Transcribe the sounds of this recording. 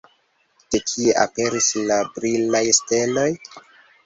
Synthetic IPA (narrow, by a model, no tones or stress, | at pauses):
te̞kʰieʔa̰pe̞ɾislabɾilajste̞lo̞j